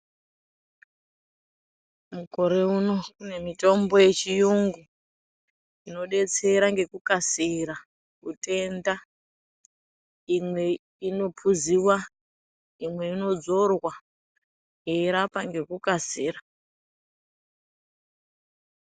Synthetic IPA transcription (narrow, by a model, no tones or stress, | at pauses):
muko̞ɾe̞uno̞kune̞mito̞mbo̞je̞t͡ʃijuŋɡu | ino̞ɗe̞t͡se̞ɾaŋɡe̞kukasiɾa | kutʰe̞nda | imwe̞ | ino̞pʰuziwa | imwe̞ino̞d͡zo̞rwa | jeiɾapaŋɡe̞kukasiːra